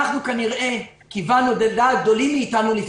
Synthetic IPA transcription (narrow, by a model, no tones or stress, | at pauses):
dukaniʁʔe̞ | kivanod̪eld̪aːɡ̚d̪o̞limːiːt̪anulif